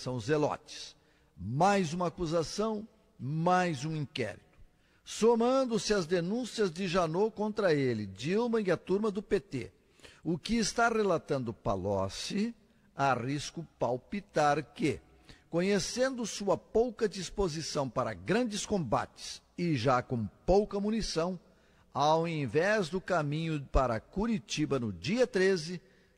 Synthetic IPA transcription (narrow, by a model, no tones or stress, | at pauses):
sɐ̃w̃zelɔ̰t͡ʃɪ̥s | majzũmɐakuzasɐ̃w̃ | majzũĩkɛ̰ɾit̪ʊ̥ | somɐ̃nd̪ʊsɪɐzd̪enũsiɐzd͡ʒɪʒanokõnt̪ɾɐelɪd͡ʒilmɐiɐt̪uɾmɐd̪ʊpet̪ḛ | ʊkɪːst̪arelat̪ɐ̃nd̪ʊpa̰lɔ̰sɪ | ariskʊpawpit̪aɾkɪ | kõɲesẽnd̪ʊsuɐpowkɐd͡ʒispozisɐ̃w̃paɾɐ̰ɡɾɐ̃nd͡ʒɪskõba̰t͡ʃɪ̥s | ɪʒakõpowkɐmunisɐ̃w̃ | awẽvɛzd̪ʊkamĩɲʊpaɾɐkuɾit͡ʃibɐnʊd͡ʒiɐt̪ɾezɪ